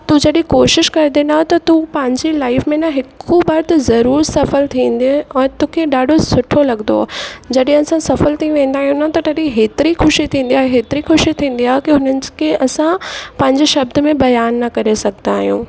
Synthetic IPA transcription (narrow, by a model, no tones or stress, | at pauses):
t̪ũd͡ʑɐɗɪ̃koːʃɪʃkɐɾd̪enaːt̪ɐt̪ũpɐ̃ɦɪ̃ɲd͡ʑilaːɪfmẽnaɦɪkʰubaːɾt̪zɐɾuːɾsɐfəlt̪ʰĩːn̆d̪eɛ̃ːt̪ũkʰeɗaːɖʱosʊʈʰolɐɠnd̪o̰d͡ʑɐɗẽɐsãsɐfəlt̪ʰĩʋẽːn̆d̪aːɦijũnaɦt̪ɐtɐɗĩɦeːt̪ɪɾixʊʃit̪ʰĩːn̆d̪iaːɦeɦeːt̪ɪɾixʊʃit̪ʰĩːn̆d̪iaːɦekiɦʊnənɪ̆kʰeʔɐsãpɐ̃ɦɪ̃ɲd͡ʑeʃɐb̚d̪ʊ̆mẽbɐjaːnːɐkɐɾesɐɡʱnaːɦijṵ̃ː